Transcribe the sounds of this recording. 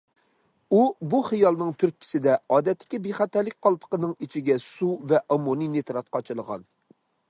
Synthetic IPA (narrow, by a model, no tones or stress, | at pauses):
ubuχijɑlˠnɨŋt̪ʰyɾk̚ʲkʲʰi̥sɪd̪ɛɑːd̪ɛt̪ːɪ̥kʲibeχæt̪ɛɾlːɪkʲqʰɑlˠpʰə̥qənɨŋit͡ʃʰiɡʲɛsuvɛʔɑmoninet̪ɾɑt̪̚qɑt͡ʃʰɨlˠəʁɑ̰n